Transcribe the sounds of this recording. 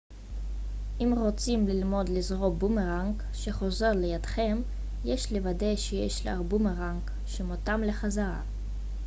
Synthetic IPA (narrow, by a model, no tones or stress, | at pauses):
ʔimʁot͡simlilmo̞d̪lizʁo̞bumeʁaŋk | ʃeχo̞ze̞ʁlejad̪̥χem | jeʃlevad̪e̞jʃejḛʃla̰ʁbumeʁaŋk | ʃemot̪amleχazaʁa̰